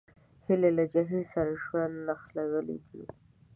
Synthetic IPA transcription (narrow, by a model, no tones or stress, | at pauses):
hɪlelad͡ʒaɦilsaɾaʃwand̪naxlaɡəlḛd̪i